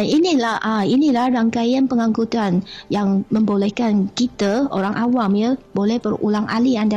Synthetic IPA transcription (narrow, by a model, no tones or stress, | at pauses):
inilahʔainilahraŋkajanpəŋãŋkut̪anjaŋmə̃mbolɛhkankit̪əo̰ɾaŋʔawamɲəbolɛhbərṵlaŋʔalianda